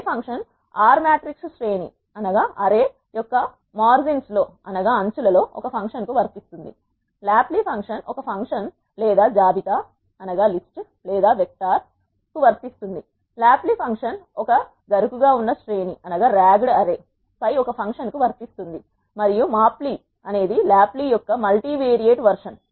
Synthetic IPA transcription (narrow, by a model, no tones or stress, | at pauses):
pʰɐŋkʂɐn | aːɾmaːʈɾikssʈɾeːnḭ | ɐnɐɡaːʔɐɾe̞ː | jɔkːɐ | maːɾd͡ʒinslo̞ːɐnɐɡaːɐɲt͡ʃulɐlo̞ːʔɔ̰kɐpʰɐŋkʂɐnkuʋɐɾt̪ist̪und̪i | laːplipʰɐŋkʂɐnɔkɐpʰɐŋkʂɐn | lɛːd̪aːd͡ʒaːbit̪a | ɐnɐɡaːlisʈ | lɛːd̪aːʋek̚ʈaːɾ | kuʋɐɾt̪ist̪und̪i | laːplipʰɐŋkʂɐnɔkɐ | ɡɐɾukuɡaːunːɐsʈɾe̞ːniʔɐnɐɡaːɾaːɡɽɐɾeː | pɐjɔkɐpʰɐŋkʂɐnkuʋɐɾt̪ist̪und̪i | mɐɾijumaːpli | ɐne̞ːd̪ilaːplijɔkːɐmɐlʈiːʋeːɾijeːʈʋɐɾʂɐn